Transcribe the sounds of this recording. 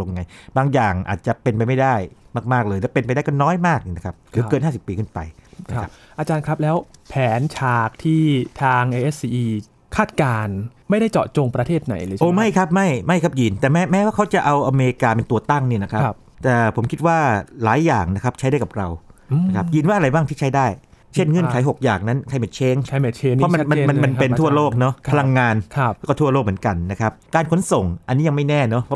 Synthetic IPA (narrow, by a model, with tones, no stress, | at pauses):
o˧ŋŋa˧jbaː˧ŋjaː˨˩ŋʔa̰ː˨˩t̪̚t͡ɕa˨˩pe˧np̬a˧jma˥˩jda˥˩jmaː˥˩k̚maː˥˩k̚lɤː˧j̪lɛː˧˩pe˧npa˧jdaː˥˩jkɔ˥˩nɔː˦˥jmaː˥˩k̚na˦˥kʰa˦˥p̚ɾɯː˩˦kkɤː˧nhaː˥˩si˨˩pːiː˧kʰɯ˥˩npa˧jn˦a˦˥ʔa˧t͡ɕaː˧nkʰɾa˦˥p̚lɛː˦˥wpʰɛː˨˩˦nt͡ɕʰaː˨˩k̚t̪ʰiː˥˩t̪ʰaː˧ŋʔeː˧ʔe˦˥ssiː˧ʔiː˧ | kʰaː˥˩t̪̚kaː˧n | ma˥˩jda˥˩jt͡ɕɔ̰ː˨˩t̪̚t͡ɕo˧ŋpɾa˧t̪ʰeː˥˩t̪̚na̰˩˦jlɤː˧jʔoː˧˦ma˥˩jkʰa˦˥p̚ma˥˩jma˥˩jkʰa˦˥p̚ji˧nt̪ɛː˨˩mɛː˦˥mɛː˦˥waː˥˩kʰa˦˥wt͡ɕa˨˩ʔa˧wʔa˧meː˧ɾi˧kaː˧pe˧nt̪u˨˧ɐt̪a˥˩ŋni˥˩na˦˥kʰa˦˥ | t̪ɛː˨˩pʰo˩˦mkʰi˦˥t̪̚waː˥˩laː˩˦jːaː˨˩ŋna˦˥kʰa˦˥p̚t͡ɕʰa˦˥da˥˩ka˨˩p̚ɾa˧wna˦˥kʰa˦˥p̚ji˧nwaː˥˩ʔɾa˧jbaː˥˩ŋʰiː˥˩t͡ɕʰa˦˥jdaː˥˩j | t͡ɕʰe˥˩nŋɤ˥˩˨nkʰa˨˩˦jɦo˨˩k̚jaː˨˩ŋna˦˥nkʰa˧jma˨˩t͡ɕʰeː˦˥ŋt͡ɕʰt͡ɕʰe˦pʰɔ˦˥ma˧˦ma˧ma˧nma˧npe˧nʰu˥˩ɐloː˥˩k̚nɔ˦˥a˧la˧ŋːaː˧nʰ˦˧˥kɔ˥˩t̪ʰu˥˩ɐloː˥˩k̚m˩˦nka˧nːa˦˥kʰa˦˥p̚kaː˧nkʰo˦˥nso˨˩ŋʔa˧nːi˦˥ja˧ma˥˩jnɛː˥˩nɔ˦˥pʰɔ˦˥